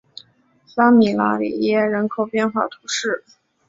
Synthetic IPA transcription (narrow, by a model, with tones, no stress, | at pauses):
sa˥mi˨˩la̰˥lḭ˨˩jɛ˥ɻə˧˥nkʰo˨˩ʊpjɛ˥˧nxwa̰˥˩t̪ʰu˧˥ʂɻ̩˥˩